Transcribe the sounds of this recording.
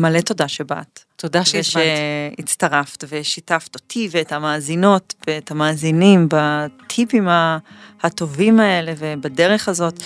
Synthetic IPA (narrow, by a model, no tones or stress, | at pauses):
maleto̞daʃeba̰tt̪odaʃeʃeit͡staʁaftveʃitafto̞tʰiveethamaːzino̞tveethamaːzinimbat̪ʰipimahato̞vimae̞le̞vebadeʁe̞χazo̞t